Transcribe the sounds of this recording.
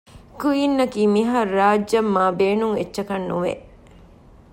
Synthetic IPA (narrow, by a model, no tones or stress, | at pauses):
kujinːɐkiːmiɦɐrːaːd͡ʒːɐmːaːbeːnuŋet͡ʃːʃɐkɐnːuʋḛ